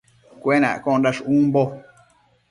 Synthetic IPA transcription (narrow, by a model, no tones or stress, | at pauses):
kʷenã̰ʔkõdaʂũːmbo